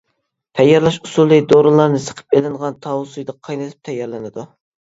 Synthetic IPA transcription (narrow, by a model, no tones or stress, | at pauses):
t̪ʰɛjːɑɾlˠɑʃusulˠːɨjʲd̪oɾɨlˠɑɾnɨsə̥qʰə̥p̚elɪŋʁɑnt̪ʰɑwusujd̪ɑqʰɑjnɨt̪ʰɨ̥p̚t̪ʰɛjːɑɾlˠɨnɨd̪u